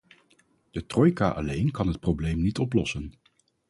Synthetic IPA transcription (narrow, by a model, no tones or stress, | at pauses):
d̥ətrɔjkaːʔɑlejnkɑnɦət̚prowblejmnitɔplɔsən